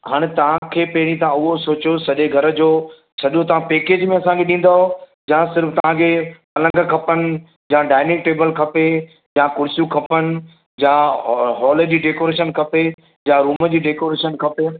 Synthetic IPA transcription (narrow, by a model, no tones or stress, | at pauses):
ɦaːɽ̃ɪ̆t̪ɐʋ̤ãkʰeːpɐɦɪɾ̃ĩt̪ãʊɦosoːt͡ɕjosɐʄeɡʱɐɾə̆d͡ʑoː | sɐʄot̪ɐʋãpeːkeːd͡ʑmẽɐsãkʰeɗĩːn̆d̪aːɦo | d͡ʑãsɪɾft̪ɐʋ̤ãkʰepɐlə̃ŋɡkʰɐpənɪ̆ | jãːɖaːɪnɪk̚ʈeːbəlkʰɐpe | jãkʊɽɪsjũkʰɐpənɪ̆ | d͡ʑãɦɔːləd͡ʑiːɖeːkoːɾeːʃənkʰɐpe | jãɾuːməd͡ʑiːɖeːkoːɾeːʃənkʰɐpe